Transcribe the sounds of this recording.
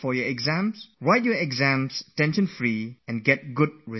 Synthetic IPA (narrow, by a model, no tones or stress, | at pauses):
fɔjɔɛɡzæ̃msɹaɪt̚jɔɛɡzæ̃mstɛ̃nʃə̃nfɹiɛ̃nɡɛt̚ɡʊd̚ɹi